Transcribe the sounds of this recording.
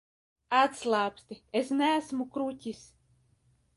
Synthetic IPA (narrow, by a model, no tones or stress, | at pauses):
at̪slˠaːpst̪ʲiesnæːsmukɾut̪ʲis